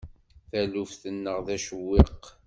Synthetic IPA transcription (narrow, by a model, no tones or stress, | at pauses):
θælufθənːəʁðæʃəwːɪq